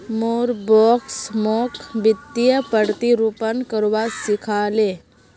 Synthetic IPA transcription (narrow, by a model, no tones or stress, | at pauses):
moːɾbɔːksmɔːkbɪt̪ːijəpəɽt̪iɾupənkəɾwasɪkʰaːleː